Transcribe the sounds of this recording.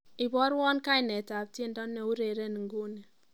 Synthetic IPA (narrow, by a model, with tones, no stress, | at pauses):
i˨bɔ˦ɾwɔ˦nka˦i˨ne˨ta˨p̚ti˦n˦dɔ˦nːe˨u˦ɾe˨ɾe˦n˨ŋ̩˨ɡu˦ne˨